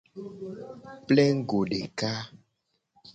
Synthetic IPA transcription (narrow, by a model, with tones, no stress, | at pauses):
plɛ˦ŋ˦ɡo˨ɖe˨ka˦